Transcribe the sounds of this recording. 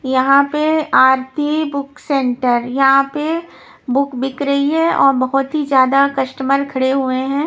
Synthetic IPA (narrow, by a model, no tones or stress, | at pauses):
jɐɦãpeaːɾt̪ʰibʊksẽːɳʈəɾjɐɦãpe | bʊkbɪkɾɐɦiɦɛ̃ʔɔːɾbɐɦʊt̪ɦid͡ʒjaːd̪akɐsʈəməɾkʰɐɽeɦueɦɛ̃ː